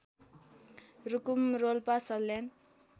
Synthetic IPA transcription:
rukumrolpasʌlːen

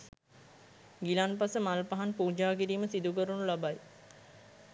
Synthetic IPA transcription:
ɡilanpasəmalpaɦanpuːd͡ʒaːkiɾiːməsid̪ukəɾunulabaj

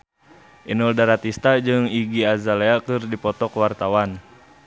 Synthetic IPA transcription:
ʔinɔldaɾat̪ist̪ad͡ʒɨŋiɡiazaleakɨrdipɔt̪ɔkwart̪awan

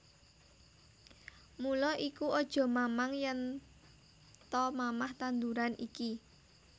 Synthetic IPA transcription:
mulɔʔikuɔd̥ʒ̥ɔ̤mamaŋjɛn | t̪ɔmamaht̪and̪uɾanʔiki

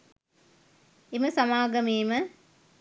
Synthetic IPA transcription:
eməsɐmaːɡɐmeːmə

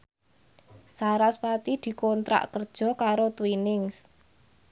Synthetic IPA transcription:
saɾaspat̪id̪̥i̤kɔnt̪ɾa̰ʔkərd̥ʒ̥ɔ̤kaɾot̪winɪŋs

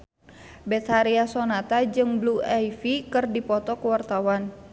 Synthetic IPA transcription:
bɛt̪haɾiasɔnat̪ad͡ʒɨŋbluajfikɨrdipɔt̪ɔkəwart̪awan

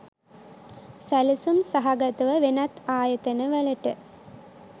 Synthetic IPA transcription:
sɐlusumsɐɦɐɡɐt̪uʋɐʋenɐt̪aːjɐt̪ɐnɐʋɐɭɐʈːɨ

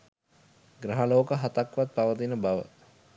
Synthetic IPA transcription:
ɡɾaɦaloːkəɦat̪akʋat̪̚paʋət̪̬inəbaʋə̰

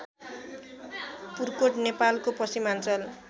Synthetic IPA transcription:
purkoʈnepalkopʌsimant͡sʌl

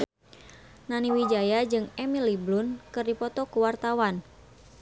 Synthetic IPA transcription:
naniwid͡ʒajad͡ʒɨŋɛmiliblʊnkɨrdipɔt̪ɔkuwart̪awan

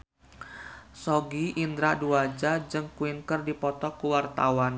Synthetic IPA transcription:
sɔɡiʔind̪ɾaduad͡ʒad͡ʒɨŋkuinkərdipɔt̪ɔkuwart̪awan

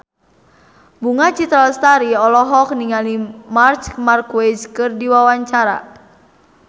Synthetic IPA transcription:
buŋat͡ʃit̪ɾalst̪aɾiɔlɔɦɔk̚niŋalimart͡ʃmarkwed͡ʒkɨrdiwawaɲt͡ʃaɾa̰

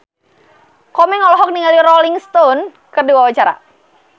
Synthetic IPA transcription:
kɔmɛŋɔlɔɦɔk̚niŋaliɾɔliŋst̪on | kəduwawat͡ʃaɾa̰

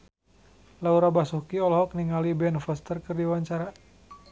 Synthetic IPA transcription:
lauɾabasukiɔlɦɔk̚niŋalibɛnfəst̪ərkərdiwaɲt͡ʃaɾa

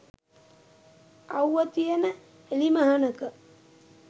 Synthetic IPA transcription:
awət̪ijənə | eliməɦɐnəkə

